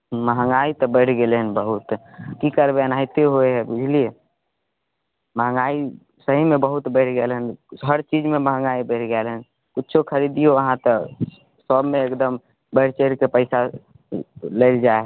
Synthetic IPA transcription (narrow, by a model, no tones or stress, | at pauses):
məɦə̃ŋɡait̪ɔbəɪʈʰɡelɦənbəɦut̪kikəɾbeənajt̪eɦoeɦɛbud͡ʒʱlie | məɦə̃ŋɡai | səɦimẽbəɦut̪bəɪʈʰɡelɦənɦəɾt͡ʃid͡ʒmẽməɦə̃ŋɡaibəɪʈʰɡɛlɦən | kʊtːt͡ʃʰokʰəɾid̪ijoəɦãt̪ə | səbmẽekd̪əm | bəɪʈʰt͡ʃəɾkepəɪsa | ləɪld͡ʒaeɦ